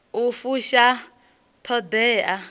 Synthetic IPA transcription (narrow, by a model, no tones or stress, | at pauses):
ufuʃa | tʰɔdɛːʔa